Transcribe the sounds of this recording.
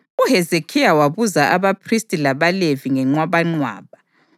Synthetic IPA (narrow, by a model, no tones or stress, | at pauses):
uɦɛzekʰijawaβuzaʔaβapʰristʼilaβaleviŋɛŋ͡ǀwaβaŋ͡ǀwa̰ːβa